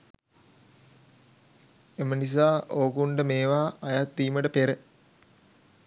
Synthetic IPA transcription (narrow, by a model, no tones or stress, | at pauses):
emənis̬aːʔoːkuɳɖəmeːʋaːjat̪ːiːməʈəpeɾə